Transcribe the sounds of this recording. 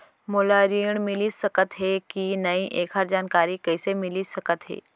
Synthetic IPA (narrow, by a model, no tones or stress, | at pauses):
molaɾiːɳ̃mɪlisɐkət̪ɦekinɐiʔeːkɦaɾd͡ʒaːnkaːɾikəɪsemɪlisɐkət̪ɦḛː